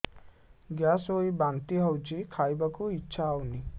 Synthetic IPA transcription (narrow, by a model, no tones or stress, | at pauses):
ɡjasɦojbant̪iɦawd͡ʒikʰajbakuitːʃʰaawni